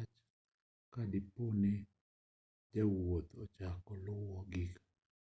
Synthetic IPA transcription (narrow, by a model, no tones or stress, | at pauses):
t͡ʃ | kadɪpone | d͡ʒawot̪ot͡ʃakɔlʊwɔɡɪk